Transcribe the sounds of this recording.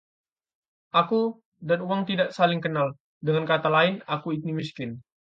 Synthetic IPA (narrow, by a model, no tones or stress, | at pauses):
ʔaku | danuwaŋt̪idaʔsalɪŋkənal | dəŋankat̪alaɪnakuit̪̚nimiskɪn